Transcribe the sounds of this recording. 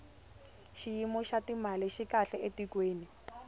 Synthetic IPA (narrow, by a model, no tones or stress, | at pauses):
ʃijimɔʃatimalɪʃikaɬɛʔetikweːni